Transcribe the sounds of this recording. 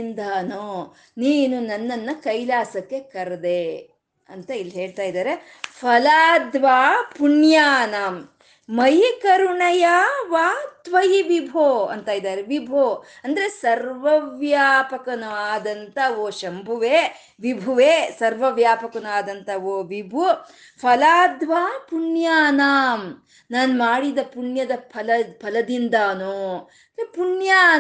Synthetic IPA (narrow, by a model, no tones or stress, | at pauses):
nd̪aːnoː | niːnunɐnːɐnːɐkɐjlaːsɐkːe̞kɐɾɐd̪e | ɐ̰nt̪ɐilːɦeːɭt̪aːjd̪aːɾe | pʰɐlaːd̪ʋaːpuɳjaːnɐmː | ɐjikɐɾuɳɐjaːʋaːt̪ʋɐjiʋibʱoːɐ̰nt̪aːjid̪aːɾeʋibʱoːɐnd̪ɐɾesɐɾʋɐʋjaːpɐkɐnuaːd̪ɐnt̪ɐʋoːʃɐmbʱuʋeː | ʋibʱuʋeːsɐɾʋɐʋjaːpɐkɐnaːd̪ɐnt̪ʰɐʋoːʋibʱu | pʰɐlaːd̪ʋaːpuɳjaːnaːm | naːnmaːɽid̪ɐpuɳjɐd̪ɐpʰɐlɐpʰɐlɐd̪ind̪aːnoː | epuɳjaː